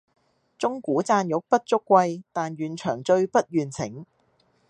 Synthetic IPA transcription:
t͡sʊ˥ŋkuː˨˥t͡saː˧njʊ˨˥k̚pɐ˥t̚t͡sʊ˥kːʷɐ˧jt̪aː˨njyː˨nt͡ʃʰœː˨˩ŋt͡ʃɵ˧ɥpɐ˥t̚jyː˨˩nt͡sʰɪ̰˨˩˥ŋ

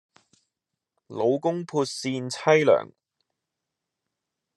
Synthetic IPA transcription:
lo˨˧wkʊ˥ŋpʰuː˧t̚siː˧nt͡sʰɐ˥jlœ̰ː˨˩ŋ

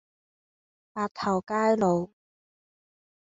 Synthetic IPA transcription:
paː˧˩t̪ʰɐ˨˩wkaː˥jlo˨˧w

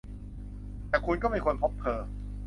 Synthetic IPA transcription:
t̪ɛː˨˩kʰu˧nkɔː˥˩ma˥˩kʰo˧npʰo˦˥p̚t̪ʰɤː˧

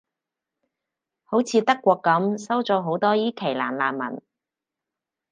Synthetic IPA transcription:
ho˨˥wt͡sʰiː˨˧t̪ɐ˥kːʷɔː˧kːɐ˨˥msɐ˥wt͡sɔː˨˥ɦo˨˥wt̪ɔː˥jiː˥kʰe˨˩jlaː˨˩nlaː˨˩nmɐ̰˨˩n

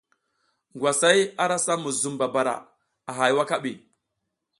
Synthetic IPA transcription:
ŋɡwa˨sa˦ja˦ɾa˦sa˦mu˨zu˨mba˨ba˨ɾa̰˨ | a˨ɦa˨jwa˦ka˦ɓi˨

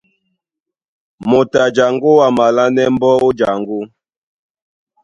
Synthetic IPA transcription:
mo˨ta˨d͡ʒa˨ŋɡo˦wa˨ma˨la˦nɛ˦m̩˦bɔ˦o˦d͡ʒa˨ŋɡo˦

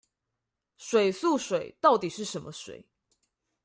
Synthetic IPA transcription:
ʂwe˨˩ɪsu˥˨ʂwe˨˩ɪt̪ɑ˥˩ʊt̪i˨˩ʂɻ̩˥˩ʂə˧˦nmə˧ʂwḛ˨˩˦ɪ

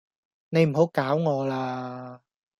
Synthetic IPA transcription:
ne˨˧jm̩˨˩ɦo˨˥wkaː˨˥wŋɔː˨˧laː˧

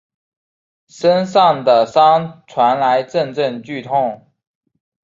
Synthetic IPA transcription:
ʂə˦nsɑ˥˨ŋd̪ə˩sɑ˥ŋt͡sʰwa˨˦nla˨˦ɪʈ͡ʂə˥˨˧nʈ͡ʂə˥˨nt͡ɕy˥˨t̪ʰʊ˥˨ŋ

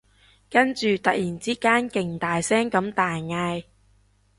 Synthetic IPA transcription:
kɐ˥nt͡ʃyː˨t̪ɐ˨k̚jiː˨˩nt͡siː˥kaː˥nkɪ˨˩ŋt̪aː˨jsɛː˥ŋkɐ˨˥mt̪aː˨jŋaː˧j

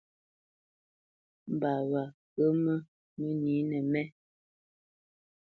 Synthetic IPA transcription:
m̩˨ba˨wa˨ | kə˦mə˦ | mə˦ni˨˦nɛ˨mɛ˦

